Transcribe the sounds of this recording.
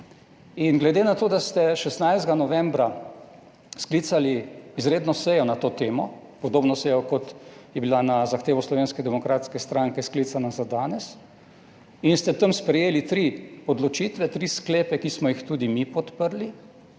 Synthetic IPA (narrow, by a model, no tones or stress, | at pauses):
inɡlɛd̪enat̪oːd̪ast̪ɛʃɛst̪najzd̪ɡanɔʋɛmbɾa | sklit̪saliːzɾeːd̪nɔsɛjɔnat̪oːt̪eːmɔ | pɔd̪oːbnɔsɛjɔkɔt̪jɛbilanazaxt̪eːʋɔslɔʋeːnskɛd̪ɛmɔkɾaːt̪skɛst̪ɾaŋkɛsklit̪sanazad̪aːnɛs | inst̪ɛt̪əmspɾɛjeːlit̪ɾiɔd̪lɔt͡ʃiːt̪ʋɛt̪ɾiskleːpɛkismɔjixt̪uːd̪imipɔt̪pəɾli